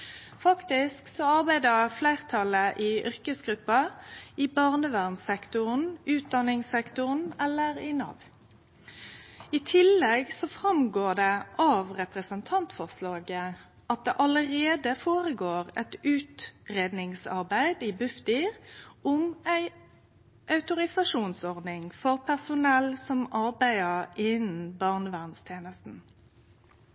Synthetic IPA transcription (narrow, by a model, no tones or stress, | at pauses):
fɑkt̪ɪsksɔɑʁbæɪd̪əʁflæɪʁt̪ʰɑləʔɪʔʏɾkəsɡʁʉpːɑɪbɑʁnəʋæʁnsɛkt̪ʊʁn̩ʉːt̪̚d̪ɑnɪŋsɛkt̪ʊʁnɛlːəʁɪnɑ̰ʋ | ɪt̪ʰɪlːɛɡsɔfʁɑmɡoːd̪ɛʔɑʋʁɛpʁəsənt̪ʰɑnt̪fɔʁslɑːɡə | ʔɑt̪̚d̪ɛʔɑləʁeːd̪əfoːʁəɡoːʁɛ̰t̪ʉːt̪ʁeːd̪nɪŋsɑʁbæɪd̪iːbʉft̪iʁɔmæɪ | ʔɑʉt̪ʊɾɪsɑʂuːnsɔʁd̪ɪŋfɔʁpʰæʁsʊnɛlsɔmɑʁbæɪəʁɪnn̩bɑʁnəʋæʁnst̪ʰjeːnəst̪n̩